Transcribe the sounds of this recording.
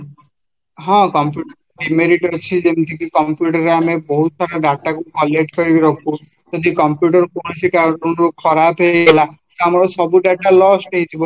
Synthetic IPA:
ɦɔ̃kɔmpjuʈ | ɖimeɾiʈɔɾt͡ʃʰid͡ʒemt̪ʰikikɔmpjuʈɔɾeamebɔɦut̪saɾɔɖaʈakukɔleʈkɔɾibiɾɔkʰu | d͡ʒɔd̪ʱikɔmpjuʈɔɾkuɽ̃asikaɾɔunɾukʰɔɾabʱɦeela | t̪oamɔɾɔsɔbuɖaʈalɔsʈeɦit̪ʰibɔ

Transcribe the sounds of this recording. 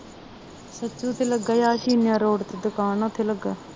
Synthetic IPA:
sət͡ʃːt͡ʃõːt̪eləɡaːjaːʃiːnjãːɾoːɽt̪eːd̪ʊkaːnoːt̪ʰeːləɡaː

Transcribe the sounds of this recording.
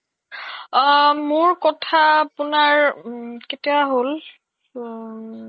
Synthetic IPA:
mʊɹkɔtʰaːpʊnaɹketiaɦol

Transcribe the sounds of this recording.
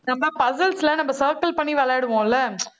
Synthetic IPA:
nɐmbɐãpɐsɐlslɐnɐmbɐsɐːɾkɐlpɐɳːiʋɛɭaːɽɯʋõːɪlːɐ

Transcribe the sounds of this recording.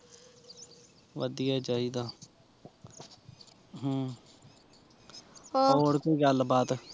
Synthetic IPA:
ʋəd̪ɪjaːt͡ʃaːid̪aː | ɦː | oːɽkoiɡəlbaːt̪

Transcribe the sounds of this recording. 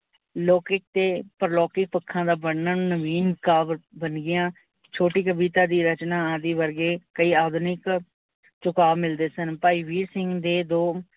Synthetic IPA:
loːkɪk̚t̪eːpəɾlɔːkɪk̚pəkʰːãːd̪aːbəɽnaːñːnəʋiːnkaːbbənɡɪjãː | t͡ʃʰoːʈiːkəbiːt̪aːd̪iːɾət͡ʃnãːd̪iːʋəɾɡeːkəiːaːd̪nɪk | t͡ʃʊkaːbmɪld̪eːsənpaːiːʋiːɾsɪŋɡd̪eːd̪oː

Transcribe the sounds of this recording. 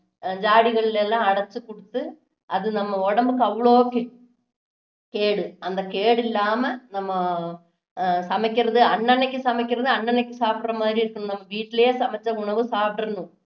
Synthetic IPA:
d͡ʑaːɽiɣɐɭilelːaːɐɽɐt͡ɕːɨkoɽut̪ːɨ | ɐðɨnɐmːɐoɽɐmbɨkɐʋɭoːkːe | keːɽɨɐnd̪ɐkeːɽilːaːmɐnɐmːɐ | sɐmɐkʲːirɐðɨɐɳːɐnɐkʲːɨsɐmɐkʲːirɐðɨɐɳːɐnɐkʲːɨsaːfʈrɐmːaːɾiiɾikʲːunːnɐmːɐʋiːʈːileːsɐmɐt͡ɕːɐuɳɐʋɨsaːfʈɐrɐnːu

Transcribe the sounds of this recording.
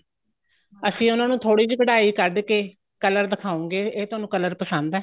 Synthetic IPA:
əsĩːʊnãːnũːt̪ʰoːɽiːd͡ʒiːkəɽaːiːkəɾɖkeː | kələɾd̪əkʰaːõːɡeːeːt̪oʊaːnũːkələɾpəsə̃nd̪ɛː

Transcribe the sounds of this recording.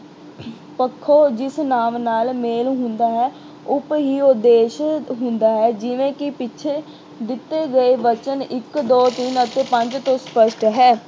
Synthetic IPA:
pəkʰːoːd͡ʒɪsnaːmnaːlmeːlɦʊ̃nd̪aːɦɛː | ʊpɦiːʊd̪eːʃɦʊ̃nd̪aːɦɛːd͡ʒɪʋẽːkɪpɪːʃʰeː | d̪ɪt̪ːeːɡəeːʋət͡ʃənɪkd̪oːt̪iːnət̪eːpə̃ɲd͡ʒt̪õːspəʃʈɦɛː

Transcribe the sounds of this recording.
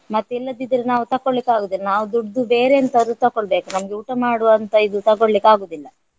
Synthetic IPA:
mɐt̪ːilːɐd̪id̪ɐɾenaːʋut̪ɐkːoɭlikːaːɡoːd̪ilːɐnaːʋud̪uɖd̪ube̞ːɾeɐnt̪ɐɾd̪ut̪ɐkːoɭbeːkunɐmɐɡeuːʈɐmaːɽuʋɐnt̪ɐid̪ut̪ɐkoɭlikːaːɡoːd̪ilːɐ

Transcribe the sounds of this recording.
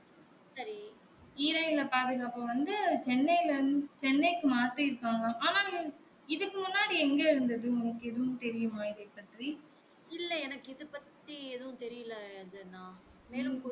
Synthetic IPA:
sɐɾi | iːɾɐɪɪlɐpaːðɯɣaːpɐ̃ʋɐnd̪ɯt͡ʃɛnːɐjlɐɾnd̪t͡ʃɛnːɐɪkːɯmaːʈːɯɪɾɯkːaːŋɡɐːʔaːnaː | ɪðɯkːɯmʊnːaːɽiɛŋɡɐɪɾɯnd̪ɐðɯɛnɐkːɯɛðɐʋʊ̃t̪ɛɾɪjɯmãːɪðeːpːɐʈ̪ɾi | ɪlːɐɛnɐkːɪðɯpɐt̪ːieðɐʋʊ̃t̪ɛɾɪjɯlɐɐðɯnãː | meːlɯ

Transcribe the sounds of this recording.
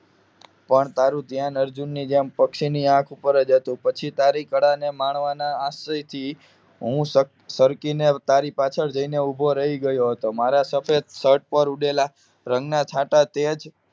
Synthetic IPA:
pəɳt̪aɾũt̪jãnəɾd͡ʒunːid͡ʒempəkʃiniãkʰupəɾəd͡ʒɦət̪ũpət͡ʃʰit̪aɾikəɽanemaɳʋanaːsəjt̪ʰi | ɦũsə | səɾkinet̪aɾipat͡ʃʰəɾd͡ʒəineubʱoɾəɦiɡəjoɦət̪omaɾasəfʰed̪səʈ̚pəɾuɖela | ɾəŋɡnat͡ʃʰaʈat̪ed͡ʒ

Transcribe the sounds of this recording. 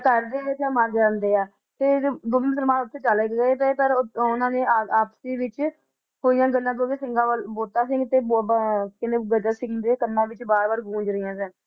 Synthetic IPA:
k̪əɾd̪eːet̪ãːməɾd͡ʒaːnd̪eːɛː | t̪eːd̪oːmɪmsəlmaːʊt̪ʰːeːt͡ʃaːleːkɡəeːp̪epəɾʊnãːnẽːaːpsiːʋɪt͡ʃ | ɦoːijãːɡənːãːd̪oːkeːsɪ̃ŋɡãːʋəlboːt̪ãːsɪ̃ŋɡt̪eːbkɪneːɡəd͡ʒaːsɪ̃ŋɡd̪eːkənːãːʋɪt͡ʃbaːɾbaːɾɡʱũːɲd͡ʒɾəijãːsɛ̃ː

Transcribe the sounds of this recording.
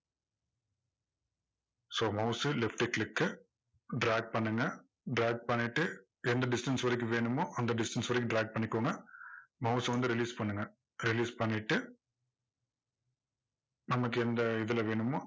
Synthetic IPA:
soːmɐʊsɯlɪfʈɪklɪkːɯ | ɖɾaːɡ̚pɐɳːɯŋɡɐ | ɖɾaːɡ̚pɐɳːɪʈːɯ | ɛnd̪ɐɖɪsʈɐnsʋɐɾɐk̬ʲːɯ̃ʋeːɳɯmoːʔɐnd̪ɐɖɪsʈɐnsʋɐɾɐkːɯ̃ɖɾaːɡ̚pɐɳːɪkːoːŋɡɐmɐʊsʋɐnd̪ɯɾɪliːspɐɳːɯŋɡɐ | ɾɪliːspɐɳːɪʈːɯ | nɐmɐkːɯɛnd̪ɐɪðɯlɐʋeːɳɯmoː

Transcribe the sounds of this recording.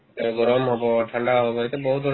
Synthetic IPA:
ɡɔɾɔmɦɔboʈʰaɳɖaɦɔboet̪ebɔɦut̪ɔ

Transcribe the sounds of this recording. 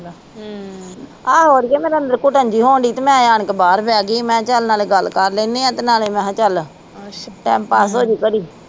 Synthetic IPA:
aːɦoːɾiːɛːmeːɾeə̃nd̪əɾkʊʈənd͡ʒiːɦoːɳɖiːt̪emɛ̃ːjaːɳkbaːɾbɛːɡiːmɛ̃ːt͡ʃəlnaːleːɡəlkəɾlẽːneːãːt̪enaːleːmɛ̃ːt͡ʃəl | ʈɛːmpaːsoːd͡ʒiːkəɾiː

